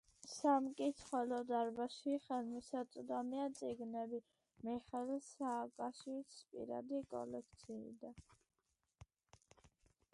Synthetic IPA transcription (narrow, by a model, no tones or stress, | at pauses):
samkʼit̪sʰχɛlɔd̪aɾbaʃiχɛlmisat̪sʼd̪amiat̪sʼiɡnɛbi | miχɛlsaːkʼaʃwit̪spʼḭɾa̰d̪ikʼɔ̰lɛk̚ʰt̪sʰḭːd̪a